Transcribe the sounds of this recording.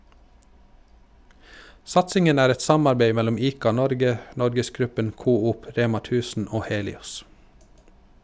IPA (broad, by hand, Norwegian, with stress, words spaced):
ˈsɑtsɪŋən ˈæːɾ ˈɛt ˈsɑmɑɾˌbeɪ ˈmɛlʊm ˈiːkɑˌnɔɾɡə ˈnɔɾɡəsˌɡɾʉpən ˈkuːuːp ˈɾeːmɑ ˈtʉːsn̩ ˈoː ˈheːlɪɔs